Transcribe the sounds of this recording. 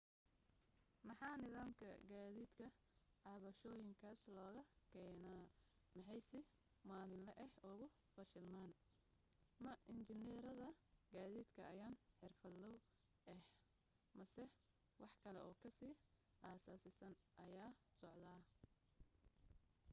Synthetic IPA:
mɑħɑːnɪðaːmkʰɐ̰ɡaːðiːd̪kʰɐ | ʕɑβɐʃɔːjɪŋkʰaːslɔːɣɐkʰɛːnaː | mɑħɑjsɪ | maːlɪnlɛʔɛhʊɣʊ | fɐʃɪlmaːn | mɐʔɪnt͡ʃɪnɛːɾɐðɐɡaːðiːd̪kʰɐɐjaːnħɛrfɐdlɔw | ʔɛh | mɐsɛ | wɑħkʰɐlɛʔɔːkʰɐsiː | ʔaːsaːsɪsɐnʔɐjaːsɔʕd̪aː

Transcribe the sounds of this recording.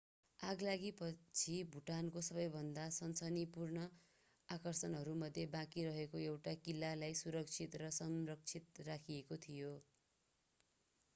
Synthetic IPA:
aɡlaɡipʌt͡sʰibʱuʈankosʌbʌjbʱʌnd̪asʌnsʌnipurnʌ | akʌrsʌnɦʌɾumʌd̪ʱːjebãkiɾʌɦekoewʈakilːalajsuɾʌk̚t͡sʰit̪rʌsʌmrʌk̚t͡sʰit̪rakʰiekot̪ʰijo

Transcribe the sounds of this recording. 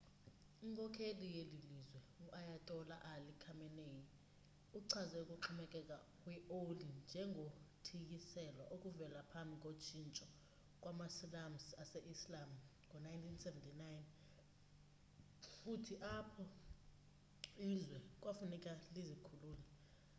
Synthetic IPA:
iŋkʰʼɔkʰelijelilizwɛ | uʔajatʼɔla̰ʔalikʰamɛneji | uǀʰazɛukʼuǃʰumɛkʼɛkʼakʼwiolind͡ʒʱɛŋʱotʰik̬isɛlwa̰ʔokʼuvɛlapʰambʱik̬ʼot͡ʃʰint͡ʃʼɔ | k̬ʼwamasilamsaseʔislam | kɔnajntʰinsɛvɛntʰinajn | futʰiʔapʰɔ | illizwɛk̬ʼwafunikʼalizikʰuluːlɛ

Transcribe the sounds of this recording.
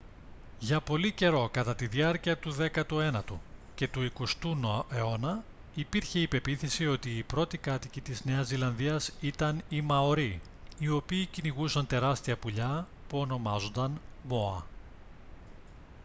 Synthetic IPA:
ʝɐpo̞lice̞ɾo̞kɐt̪ɐt̪iðiɐɾciɐt̪uðe̞kɐt̪ue̞nɐt̪uce̞t̪uiko̞st̪unoeo̞nɐ | ipiɾçe̞ipe̞piθesio̞t̪iːpɾo̞t̪ikɐt̪icit̪izne̞ɐzilɐnðiɐsit̪ɐnimɐo̞ɾi | io̞piːciniɣusɐnt̪e̞ɾɐst̪iɐpuʎɐ | puo̞no̞mɐzo̞nd̪ɐnmo̞ɐ̰

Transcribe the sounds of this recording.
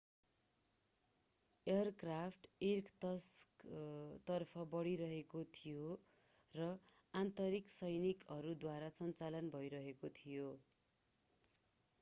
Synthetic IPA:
ejʌrkrapʰʈirkt̪ʌskt̪ʌrpʰʌbʌɽiɾʌɦekot̪ʰijo | rʌ | ant̪ʌɾiksʌjnikʌɾud̪waɾasʌnt͡salʌnbʱʌjɾʌɦekot̪ʰijo

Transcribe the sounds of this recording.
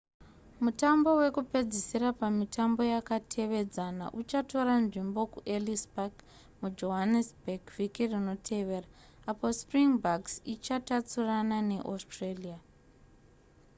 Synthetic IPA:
mutambo̞we̞kupe̞d͡zisirapamitʰambo̞jakatʰe̞ʋe̞d͡zana̰ʔut͡ʃato̞ɾanʐimbo̞kuʔelisbaɡ | mud͡ʒo̞ɦanisbeɡvikirino̞tʰe̞ʋe̞ːraː | po̞spriŋbaksit͡ʃatat͡suranane̞ʔostrelija

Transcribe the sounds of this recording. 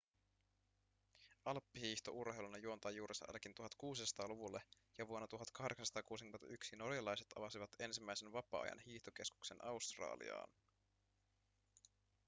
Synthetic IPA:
ɑlpːihiːçt̪oʔurhe̞jlunɑjuo̞nt̪ɑjuːɾʔesɑ̰ʔɑ̰lkint̪uɦɑt̪kuːsisɑt̪ɑːluʋulːe | jɑʋuonːɑt̪uɦɑt̪kɑhde̞ksɑnsɑt̪ɑːkuːsikymenɑ̰ʔyksino̞rjɑlɑjset̪ɑ̰ʋɑsiʋɑt̪e̞nsimːæjsenʋɑpɑ̰ːɑ̰jɑ̰nhiːht̪oke̞sku̥kse̞nʔɑwst̪rɑ̰ːlḭɑ̰ːn

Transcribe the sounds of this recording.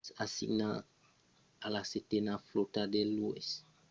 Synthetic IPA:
sasḭʔna | alasetenaflotadɛlues

